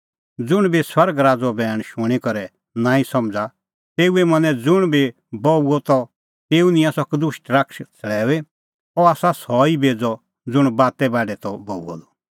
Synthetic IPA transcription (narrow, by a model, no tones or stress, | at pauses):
d͡zʊɽ̃biswɐɾɡɾaːd͡zɔbɛːɽ̃ʃʊɽ̃ikɔɾɛ | nãːĩsɐmd͡za | t̪eːuɛmɐ̃nɛ̃d͡zʊɽ̃bi | bɔuɔt̪ɔ | t̪eːunĩãsɔkd̪ʊʃʈɾɐkʃt͡sʰəɭɛːe | ɔaːsasɔibeːd͡zɔ | d͡zʊɽ̃baːt̪ɛbaːɖɛt̪ɔbɔːuɔ̰d̪ɔ